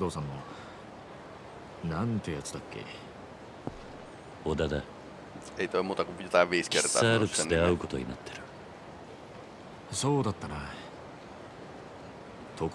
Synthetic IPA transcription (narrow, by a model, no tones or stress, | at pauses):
d̪o̞ːsãnːo | nãnt̪ejat͡sɨ̥d̪akːe̞̰ | od̪ad̪a | ejt̪oemuːt̪akujot̪aːʋiːskeɾt̪oa̰ːaɾɯkend̪eaɯ̟ko̞t̪o̞ɲ̟ina̰t̪ʰːeɾɯ̟ | so̞ːd̪at̪ːana | t̪ʰok